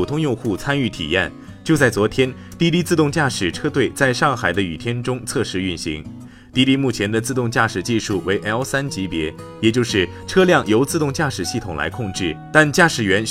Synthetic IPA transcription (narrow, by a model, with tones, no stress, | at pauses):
u˨˩t̪ʰʊ˥ŋjʊ˥˧ŋxu˥˩t͡sʰa˥ny˥˩t̪ʰḭ˨˩ja̰˥˩n | t͡ɕjo˥˧ʊt͡sa˥˩ɪt͡swɔ˧˥t̪ʰjɛ˥n | t̪i˥˧t̪i˥t͡sɹ̩˥˧t̪ʊ˥˧ŋt͡ɕja˥˩ʂɻ̩˨˩ʈ͡ʂʰɤ˥t̪we˥˩ɪt͡sa˥˧ɪʂɑ˥˩ŋxa˨˩ɪd̪ə˦y˨˩t̪ʰjɛ˥nʈ͡ʂʊ˥ŋt͡sʰɤ˥˧ʂɻ̩˧˥y˥˩nɕḭ˧˥ŋ | t̪i˥˧li˥mu˥˩t͡ɕʰjɛ˧˥nd̪ə˧t͡sɹ̩˥˧t̪ʊ˥˧ŋt͡ɕja˥˩ʂɻ̩˨˩t͡ɕi˥˧ʂu˥˩we˧˥ɪʔɛ˥sa˥nt͡ɕi˧˥pjɛ˧˥ | jɛ˨˩t͡ɕjo˥˧ʊʂɻ̩˥˩ | ʈ͡ʂʰɤ˥ljɑ˥˩ŋjo˧˥ʊt͡sɹ̩˥˧t̪ʊ˥˧ŋt͡ɕja˥˩ʂɻ̩˨˩ɕi˥˩t̪ʰʊ˨˩ŋla̰˧˥ɪkʰʊ˥˧ŋʈ͡ʂɻ̩˥˩t̪a˥˧nt͡ɕja˥˩ʂɻ̩˨˩ɥɛ˧˥n